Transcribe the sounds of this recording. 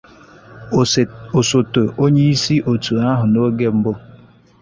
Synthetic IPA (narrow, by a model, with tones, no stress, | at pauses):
o˨so˨to˨ʔo˦ɲe˦i˦si˦ʔo˨tu˨a˦ɦʊ˨no˦ɡe˦m̩˦bo˦